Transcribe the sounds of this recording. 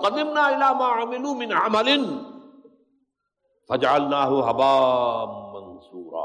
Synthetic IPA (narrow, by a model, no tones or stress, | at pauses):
qɑdɪmnaːʔɪlaːmaːʕamɪluːmɪnʕamalɪn | fad͡ʒaʕalnaːhʊɦabaːmːansˤuːɾˤɑ̰ː